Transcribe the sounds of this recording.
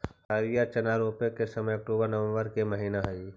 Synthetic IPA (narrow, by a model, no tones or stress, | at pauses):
haːɾijat͡ʃɐnaːɾoːpekesəməjɐk̚ʈuːbəɾnəʋə̃mbəɾkeməɦiːnaɦɐi